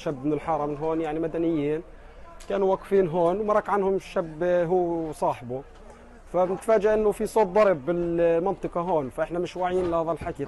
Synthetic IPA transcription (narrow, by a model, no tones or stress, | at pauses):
ʃabmɪnɪlħɑɾˤɑmɪnɦoːnjaʕnimad̪anɪjːiːn | kaːnuwaqfiːnɦoːnwmɑɾˤɑːkʕanhʊmʃabɦuːsˤɑːħbu | fabnɪt̪faːd͡ʒaʔɪnːʊfisˤoːb̪̚d̪ˤɑɾˤbːɪlmɑnt̪ˤɨqɑɦoːnfaʔɪħnamɪʃwaʕiːnlɪɑðˤɑlħaki